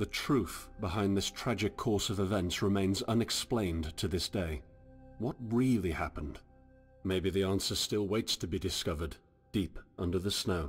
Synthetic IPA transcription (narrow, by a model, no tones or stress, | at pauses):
ðɨtʰɹ̥ʉθb̥əhãɪ̃nðɪstʰɹ̥æd͡ʒɨkʰɔɹsʌvɨvɛ̃ntsɹɨmẽɪ̃nzʌ̃nɨksplẽɪ̃ntʰɨðɪsd̥eɪ | wʌt̚ɹɪlˠihæpə̃n̩d̥ | meɪbiðiæ̃nsə˞stɪlˠweɪtstʰɨbidɨskʌvə˞d̥ | ipʔʌ̃ndə˞ðɨsnoʊ